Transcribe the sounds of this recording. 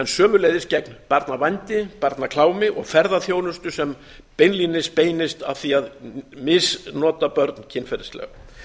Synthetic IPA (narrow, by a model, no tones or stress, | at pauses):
ɛnsœːmʏlejðɪscɛknpaɾt̪navajnt̪ɪpaɾt̪nakʰlaːwmɪʔɔɣfɛɾðaθjoːwnʏst̪ʏsɛm | pejnlinɪspeːjnɪst̪aθiaðmɪsnɔːt̪apœɾt̪n̥cʰɪnfɛɾɪ̥st̪lɛ̰ɣ